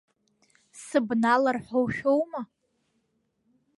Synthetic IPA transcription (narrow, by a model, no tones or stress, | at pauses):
sɨbnalarħowʃᶣowma